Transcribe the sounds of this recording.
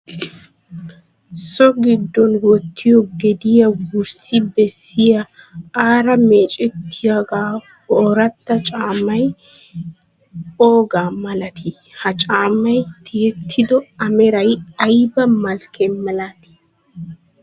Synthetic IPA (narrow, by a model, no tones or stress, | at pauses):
sɔɡɪd̪ːɔnwɔt̪ʰːɪjɔɡɛd̪ɪjɐɡʊɾsɪbɛsːɪjɐaːɾɐmeːt͡ʃʼɛt̪ʰːɪjɐɡaːhoːɾɐt̪ːɐt͡ʃʼaːmɐj | oːɡaːmɐlɐt̪ʰɪhɐt͡ʃʼaːmɐjt̪ʰɪjɛt̪ʰːɪd̪ɔɐmɛɾɐjɐjbɐmɐlkɛɐlat̪ɪ̥